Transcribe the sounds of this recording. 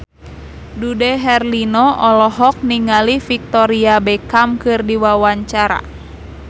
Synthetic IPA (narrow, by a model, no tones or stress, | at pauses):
dudɛɦɛrlinɔʔɔlɔɦɔk̚niŋalifik̚t̪ɔɾiabɛkamkɨrdiwawaɲt͡ʃaɾa̰